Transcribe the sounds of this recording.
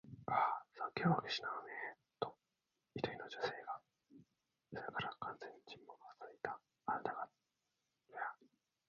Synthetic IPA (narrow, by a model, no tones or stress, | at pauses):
asakʲeβakeɕi̥nane | t̪o | it̪okʲinod͡ʑose̞ːɡa | soɾekaɾakʰãnzẽɲ̟ːit͡ɕĩmːokat͡s̪it̪a | ad̪aka | a